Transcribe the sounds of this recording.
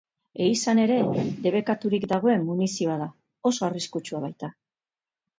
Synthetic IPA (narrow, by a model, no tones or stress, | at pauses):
e̞isane̞ɾe̞d̪e̞βe̞kat̪uɾikd̪aɣ̞o̞e̞mːunisioaða | o̞so̞ariskut͡ʃuaβ̞ajt̪a